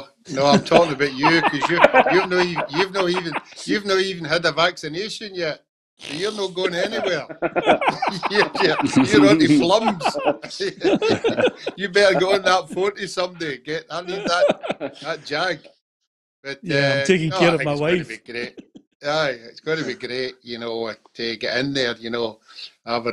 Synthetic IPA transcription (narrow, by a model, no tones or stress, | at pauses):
noãɪ̃mtʰɔkɪ̃ŋəbaʔəkʰʌzjəjʉvnoijʉvnɔivə̃njʉvnəivə̃n̩əd̪əvaksɪneʃə̃njɛʔ̚ | bəjə˞nətʔ̚ɡ̥oɪ̃ŋɛnɪwɛɹ | jijɛjə˞əɨflˠʌ̃mz̥ | jɨbɛʔə˞ɡoə̃nðəʔfʰɔʔisʌ̃mdeɡɛʔhaiðəʔðət̚d̥ʒ̥aɡ̚ | b̥ʌʔɛɪ̃tʰekɪ̃ŋokeɹəvmaɪwafbiɡɹeʔ | jaɪɪtsɡ̥ɔɪ̃nəbiɡɹeʔjɨnoətʰəɡɛ̰ʔɪ̃nðə˞jɨnoavə